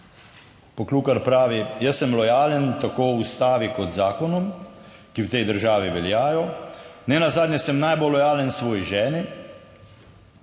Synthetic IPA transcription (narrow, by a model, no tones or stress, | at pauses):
pɔkluːkaɾpɾaːʋijəsːɛmlɔjaːlənt̪akoːust̪aːʋikɔt̪zaːkɔnɔm | kiwt̪ɛjd̪əɾʒaːʋiʋɛljaːjɔnɛnazaːd̪nʲjɛsɛmnajbolːɔjaːlənsʋɔːjiʒɛːni